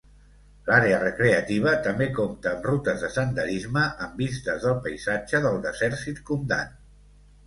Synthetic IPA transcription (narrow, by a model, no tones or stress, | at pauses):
laɾeərəkɾeət̪iβ̞ət̪əmbekomt̪əːmrut̪əzðəsənd̪əɾizməʔəmbist̪əzðəlˠpəjzad͡ʒəðəlˠd̪əzɛɾsit̪kumd̪a̰n